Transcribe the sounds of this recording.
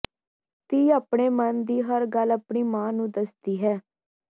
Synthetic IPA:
t̪iːaːpɳeːmənd̪iːɦəɾɡəlapɳiːmãːnũːd̪əsd̪iːɦɛː

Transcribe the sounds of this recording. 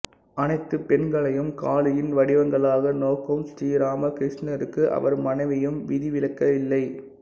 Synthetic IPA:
ɐnɐɪt̪ːɯpɛnɡɐɭɐjɯmkaːɭɯjɪnʋɐɽɪʋɐŋɡɐɭaːɣɐnoːkːɯmsʈiːɾaːmɐkɾɪʂɳɐɾɯkːɯʔɐ̰ʋɐɾmɐnɐɪʋɐjɯmʋɪðɪʋɪlɐkːɐɪlːɐɪ

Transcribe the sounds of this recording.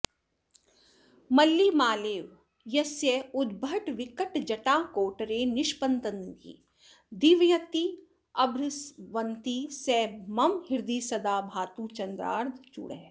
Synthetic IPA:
mɐlːiːmaːleːʋ | jɐsjeʊd̪̚bʱɐʈʋɪkəʈd͡ʒɐʈãːkoːʈɾeːnɪʃpɐnt̪ɐnɡḭː | d̪iʋjɐt̪i | ɐbʱɾɪsʋɐnt̪iːsɛːmɐmhɪɾd̪iːsɐd̪aːbʱaːt̪ũːt͡ʃɐnd̪ɾa̰ːɾd̪ʱt͡ʃṵɽeɦ

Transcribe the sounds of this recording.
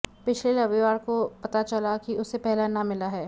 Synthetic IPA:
pɪt͡ʃʰlelɐʋeʋaːɾkopɐt̪at͡ʃɐlakiʊsːepɛɦlenɐmɪlaɦɛː

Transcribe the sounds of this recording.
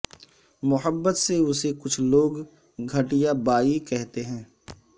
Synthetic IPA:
mʊɦəbːət̪seʊsekʊt͡ʃʰloːɡ | ɡʱɐʈijabaːikɛɦt̪eɦɛ̃ː

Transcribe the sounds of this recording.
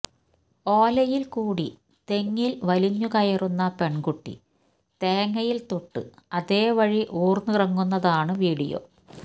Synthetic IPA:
o̞ːlɐjilkuːɽi | t̪e̞ŋːilʋɐliɲːukɐjɐrunːɐpe̞ɳɡuʈːḭ | t̪eːŋːɐjilt̪uʈːɨ̰ɐðe̞ːʋɐɻiʔuːrnɨrɐŋːunːɐðaːɳɨʋiːɽijo̞̰

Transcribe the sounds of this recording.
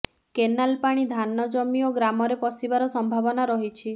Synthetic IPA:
kenalpaɽ̃id̪ʱanːɔd͡ʒɔmioɡɾamɔɾepɔsibaɾɔsɔmbʱabɔnaɾɔɦit͡ʃʰi

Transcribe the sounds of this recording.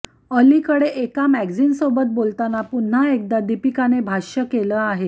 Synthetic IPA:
əlikəɽeʔekamæɡd͡ziːnsobət̪̚bolt̪anapun̤ːaek̚d̪ad̪ipikanebʱaɕəkeləːaɦe

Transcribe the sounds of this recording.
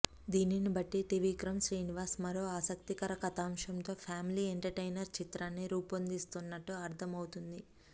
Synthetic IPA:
d̪iːninibɐʈːiʈiʋiːkɾɐmʃɾiːniʋaːɾsmɐɾoːaːsɐkt̪ikɐɾɐkɐt̪aːmʂɐmt̪o̞ːpʰaːmilieɳʈɐɾʈejnɐɾt͡ʃit̪ɾaːnːiɾuːpɐnd̪ist̪unːɐʈːuɐɾt̪ʰɐmɐwt̪und̪i

